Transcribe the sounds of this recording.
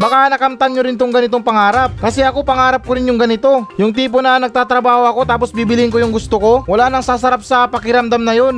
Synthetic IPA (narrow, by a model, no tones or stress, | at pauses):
bɐkanɐkamt̪anɲoɾɪnt̪oŋɡɐnɪt̪oŋpɐŋaːɾap̚kɐsɛɐkopɐŋaːɾɐp̚koɾɪnjʊŋɡɐnɪt̪o̞jʊŋt̪̬iːp̬onɐnɐɡ̚t̪aːt̪ɾɐbaːhoɐko̞t̪aːp̬osbiːbɪlɪŋkojʊŋɡʊst̪oko̞wɐlanɐŋsasɐɾap̚sɐpɐkɪɾɐmd̪amnɐjon